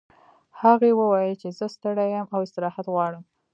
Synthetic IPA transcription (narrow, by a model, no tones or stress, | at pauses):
haɣewəwɑjət͡ʃezəst̪əɽajəmawɪst̪ɪɾɑhat̪ɣwɑɽəm